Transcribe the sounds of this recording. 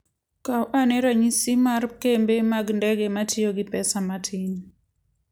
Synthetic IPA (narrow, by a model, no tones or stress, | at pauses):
kawʔanɛɾaɲisimarkembemaɡndɛɡematijoɡɪpɛsamatʰin